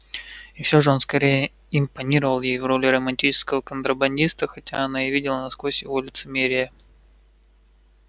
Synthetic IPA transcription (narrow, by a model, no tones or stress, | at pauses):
jɪɕʲːo̞ʐəo̞nskɐɾʲejə | ɪmpɐnʲiɾəvəlˠjejvro̞lʲɪrəmɐnʲtʲit͡ɕɪ̥skəvəkənt̪ɾəbɐnʲdʲist̪əxɐtʲaɐnaɪvʲidʲɪlˠənɐskvosʲɪvolʲɪt̪sɨmʲeɾʲɪjə